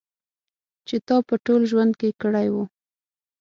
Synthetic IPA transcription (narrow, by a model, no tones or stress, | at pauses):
t͡ʃet̪ɑpəʈolʒwand̪̚kekəɽajwu